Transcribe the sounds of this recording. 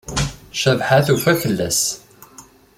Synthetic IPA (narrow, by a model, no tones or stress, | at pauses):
ʃævħaθufæçəlːæ̰s